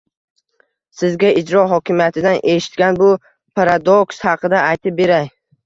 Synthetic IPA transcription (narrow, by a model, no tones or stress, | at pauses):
sɪzɡʲaɪd͡ʒɾɒɦɒkʲʰɪmjat̪ʰɪd̪anʔe̞ʃɪ̥t̪kʲanbʊ | pʰaɾad̪okshɑqʰɨd̪aajt̪ʰɪp̚be̞ɾaj